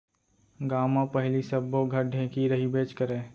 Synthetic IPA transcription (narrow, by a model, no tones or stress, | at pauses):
ɡaːmãpəɦɪlisəbːoɡʱəɾɖʱẽːkiɾɐɦibeːt͡ʃkəɾẽː